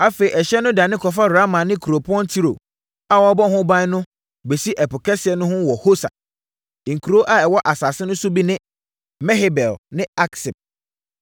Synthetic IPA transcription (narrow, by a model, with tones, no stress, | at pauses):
a˦fe˨i˨ɛ˨ɕɛ˦nʊ̃˦da˨nɪ̃˦kʰɔ˨f̬a˦ɾa˦mã˨nɪ̃˦kʰu˨ɾo˨pʰʊ˦ɔ˦n˦tʰi˦ɾo̰˨ | a˦wɔ˦bɔ˦hʊ̃˦bã˦nʊ̃˦ | be˨si˦ʔɛ˨pʊ˨kʰɛ˦sɪ˨ɛ˨˦nʊ̃˦hʊ̃˦wɔ˨ho˦sa̰˨ | ŋ̩˨kʰu˨ɾo˦ʔa˦ɛ˨wɔ˦ʔa˨sa˨sɪ˦nʊ̃˦sʊ˦bi˦nɪ̃˦ | mɛ˦ɦe˦bɛ˨lnɪ̃˦a˦ksɪ˨p̚